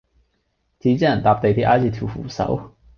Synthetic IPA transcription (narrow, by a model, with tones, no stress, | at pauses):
t̪ʰi˧˥t͡ɕɛ˥˨nt̪a˧p̚t̪e˧˩t̪ʰi˥ʔa˥t͡ɕi˥˧˩t̪ʰju˨˧˩fu˨˩sa̰˧˩˥ʊ